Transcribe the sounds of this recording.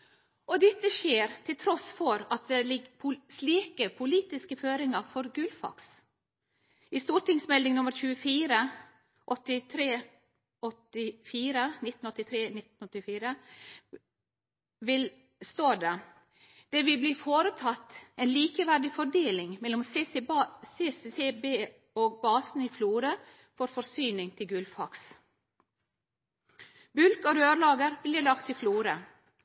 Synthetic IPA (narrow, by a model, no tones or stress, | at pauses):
ɔd̪ɛt̪ːəʃeːɾt̪ʰɪlt̪ʰɾɔsfɔɾɑt̪̚d̪ɛlɪɡpʰʊsliːkəpʰʊliːt̪ɪskəføːɾɪŋɑɾfɔɾɡʉlfɑ̰ks | ɪst̪uːʈɪŋsmɛld̪ɪŋnʊmːəɾçʉːəfiːɾə | ʔɔt̪ːɪt̪ʰɾeː | ɔt̪ːɪfiːɾənɪt̪ːn̩ɔt̪ːɪt̪ʰɾeːnɪt̪nɔt̪ːɪfiːɾə | ʋɪl | st̪oːd̪ə | d̪̥ɛʋɪbliːfoːɾət̪ʰɑt̪ːɛeːnliːkəʋæɖɪfɔɖeːlɪŋmɛlːɔms | seːsseːbeː | oːɡ̚bɑːsn̩iːfluːɾə | fɔɾfɔɾsyːnɪŋt̪ʰɪlɡʉlfɑks | bʉlɡoɾøːɾlɑːɡəɾbliːlɑkt̪ʰɪfluːɾə